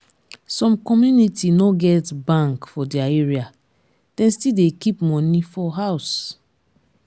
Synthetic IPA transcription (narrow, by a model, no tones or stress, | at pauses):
sɔ̃mkɔmjunitinoɡɛtbãŋkfɔdiaeɹia | d̥ɛ̃nstildekipmɔ̃nifɔɦaʊs